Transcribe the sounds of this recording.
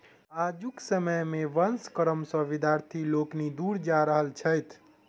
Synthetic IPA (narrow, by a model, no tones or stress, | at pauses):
ad͡ʒuksəməjmeʋənskəɾəmsə̃ʋid̪ʱjaɾt̪ʰiloknid̪uɾd͡ʒaɾəɦəlt͡ʃʰəjt̪ʰ